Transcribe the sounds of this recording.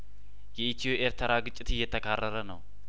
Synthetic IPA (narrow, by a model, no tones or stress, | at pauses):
jɛit̪ʰijoʔeɾt̪ʰəɾaɡɨt͡ʃʼːɪt̪ɨjːɛt̪ʰəkʰarːəɾənə̰w